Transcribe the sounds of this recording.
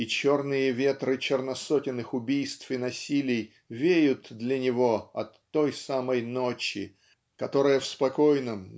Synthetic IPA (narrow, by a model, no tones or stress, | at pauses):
it͡ɕo̞rnɨjəvʲe̞t̪ɾɨt͡ɕɪrnɐsotʲɪnːɨxʊbʲijst̪fɨnɐsʲilʲɪj | vʲejʊt̪d̪lʲɐnʲɪvo̞ɐt̪ːo̞jsaməjno̞t͡ɕɪ̰ | kɐt̪o̞ɾəjəfspɐko̞jnəm